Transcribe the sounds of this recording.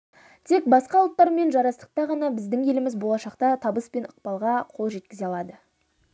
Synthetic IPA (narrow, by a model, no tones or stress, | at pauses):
t̪ʰe̞kbɑsqɑʊlˠt̪ːɑɾme̞nʒɑɾɑst̪ə̥q̚t̪ɑʁɑnɑbɪzd̪ɪŋje̞lɪmɪzbo̞lˠɑʃɑqt̪ɑt̪ʰɑbəspe̞nəqpɑlˠʁɑqʰolˠʒe̞t̪̚kʲɪzeɑlˠɑd̪ə